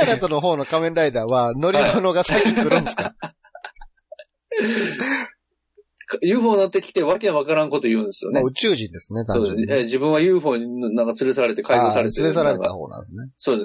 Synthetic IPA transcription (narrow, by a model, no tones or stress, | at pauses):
aɾat̪ono̞ɦo̞ːno̞kamẽ̞ɾɾaid̪aːβano̞ɾʲionoɡasakikɯ̟ɾɯ̃neska | kajɯ̟ːɸoːno̞t̪ːekʲi̥t̪eβakẽβakaɾãŋko̞t̪o̞jɯ̟̃ːnd̪esɨjo̞neɯ̟t͡ɕɨːʑĩnd̪e̞sɨned̪aod̪eseːd͡ʑibɯ̟̃ɰ̃βajɯ̟ːɸo̞ːɲ̟innãŋkat͡sɨɾe̞saɾaɾe̞t̪e̞kaizosaɾet̪eɨɾesaɾaɾet̪a̰ho̞̰ːnã̰nd̪sɨneso̞ːd̪es